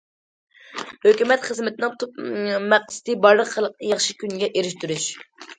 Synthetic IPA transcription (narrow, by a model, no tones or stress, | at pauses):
høkʲymɛt̪χəzmɪt̪ʰɪnɪŋt̪ʰup̚mɛq̪̚sɨ̥t̪ʰɨbɑɾlˠəqχælˠq̪̚ɨjɑχʃikʲynɡʲɛʔeɾɪʃt̪yɾyʃ